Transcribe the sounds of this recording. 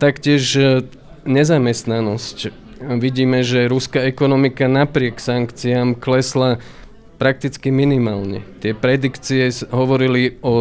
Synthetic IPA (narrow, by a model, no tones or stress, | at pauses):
t̪akcɪɛʒ | ɲɛzamɛst̪nanɔsc | ʋiɟiːmɛʒɛɾuskaɛkɔnɔmikanapɾɪɛksaŋkt͡siamklɛsla | pɾak̚t̪it͡skiminimaːlɲɛ̰t̪ɪɛpɾɛd̪ikt͡siɛɦɔʋɔɾiliɔ